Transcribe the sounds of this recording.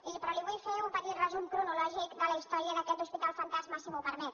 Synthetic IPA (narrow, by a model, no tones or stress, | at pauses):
ipɾaliβujfeumpət̪it̪rəzumkɾunulɔʒikd̪ələist̪ɔɾjəðəkɛt̪̚d̪uspit̪alˠfənt̪azmasimupəɾmɛt